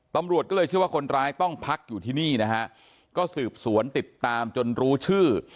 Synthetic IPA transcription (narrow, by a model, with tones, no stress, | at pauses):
t̪a˧mɾu˨˩ət̪̚kɔ˥˩ɤː˧t͡ɕʰɯ˥˩waː˥˩kʰo˧nɾaː˦˥jt̪ɔ˥˩ŋpʰa˦˥k̚juː˨˩t̪ʰiː˥˩niː˥˩na˦˥kʰa˦˥ʔ | kɔː˥˩sɯː˨˩p̚su˩˦ənt̪i˨˩t̪ːaː˧mt͡ɕo˧nɾuː˦˥t͡ɕʰɯː˥˩